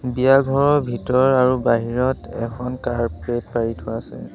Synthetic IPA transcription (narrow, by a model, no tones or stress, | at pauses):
bijaɡʱɔɹɔɹbʱitɔɹaɹubaɦiɹɔtɛ̰kʰɔnkaɹpɹet̚paɹitʰʊasɛ̰